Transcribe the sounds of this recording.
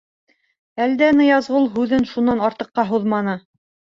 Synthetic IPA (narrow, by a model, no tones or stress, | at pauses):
æld̪ænɤjɑzʁɤlˠɦʉðɘnʃunːɑnɑɾt̪ɤ̆qːɑɦuðmɑnɤ